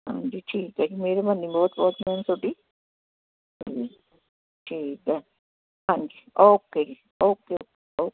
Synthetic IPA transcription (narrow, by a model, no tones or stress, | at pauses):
ɦã̰ɲd͡ʒiʈʰiːked͡ʒimeːɾemɐnːibɔːt̪bɔːt̪mensoʈi | d͡ʒi | ʈʰiːkɛ | ɦãɲd͡ʒioːked͡ʒi | oːkːeoke | o